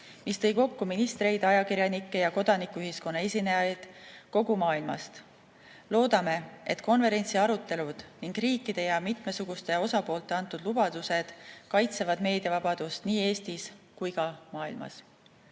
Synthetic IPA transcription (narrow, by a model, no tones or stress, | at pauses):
mist̪ɤ̞jko̞kːuminist̪ɾe̞jd̪ɑjɑkiɾjɑnikːˑe̞jɑko̞d̪̥ɑnikːˑuyɦisko̞nːɑe̞sʲinejɑjd̪̥ko̞ɡ̥umɑːilmɑ̰st̪ | lo̞ːd̪ɑme̞e̞t̪ˑko̞nve̞ɾe̞nʲt̪siɑɾut̪ːˑe̞lud̪̥niŋɡriːkːˑid̪̥e̞jɑmit̪me̞suɡ̥ust̪e̞o̞sɑpo̞ːlt̪ːˑe̞ɑnt̪ːˑud̪lub̥ɑd̪̥use̞d̪̥kɑjt̪se̞vɑd̪̥me̞ːd̪iɑvɑb̥ɑd̪̥ust̪niːe̞ːst̪iskujkɑmɑːḭlmɑ̰s